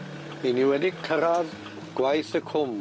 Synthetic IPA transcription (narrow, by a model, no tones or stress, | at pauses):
niniwɛdɪɡ̚kʰəɾað | ɡ̥wajθəkʰʊm